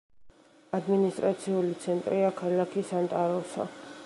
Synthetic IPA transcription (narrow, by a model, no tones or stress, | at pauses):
ad̪minist̪ʼɾat̪sʰiulit̪sʰɛnt̪ʼɾiakʰalakʰisant̪ʼaɾɔsa̰